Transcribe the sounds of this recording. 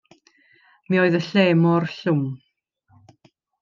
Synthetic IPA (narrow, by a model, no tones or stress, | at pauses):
mioːɨðəɬeːmɔrɬʊm